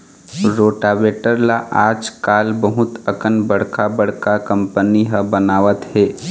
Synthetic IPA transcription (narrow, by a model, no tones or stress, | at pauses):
ɾoːʈaːʋeːʈəɾlaʔaːd͡ʒkaːlbəɦʊt̪əkənbəɽ̤kabəɽ̤kakə̃mpəniɦəbənaːʋət̪hɛː